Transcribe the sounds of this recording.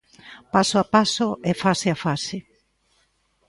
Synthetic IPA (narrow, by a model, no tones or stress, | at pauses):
pasʊapasʊʔefasɪafasɪ